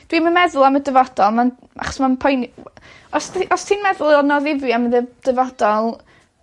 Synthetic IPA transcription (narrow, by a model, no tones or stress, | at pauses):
d̥wimamɛðʊlˠamədəvɔd̥ɔlˠman | ʔa̰χɔ̥smanpʰɔjn | ɔsʔɔstʰiːnmɛðʊlˠɔnɔðɪviaməðəd̥əvɔd̥ɔlˠ